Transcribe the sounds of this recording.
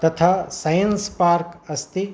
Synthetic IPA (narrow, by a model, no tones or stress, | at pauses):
t̪ɐt̪ʰaːsɐjənspaːɾkɐst̪i